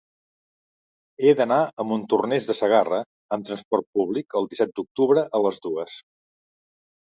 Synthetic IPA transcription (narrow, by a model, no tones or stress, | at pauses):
ed̪ənaəmbunt̪urnezðəsəɣ̞arə | əmt̪ɾənspɔrt̪̚puβlikəlˠd̪isɛt̪̚d̪uk̚t̪uβɾəʔələzðuəs